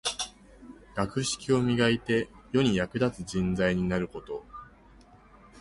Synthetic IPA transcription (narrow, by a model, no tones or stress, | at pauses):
ɡ̥akɯ̟ɕi̥kʲio̞mʲiɡait̪e̞jo̞ɲ̟ijakɯ̟d̪at͡sɨd͡ʑĩnd͡zaiɲ̟inaɾɯ̟ko̞t̪o̞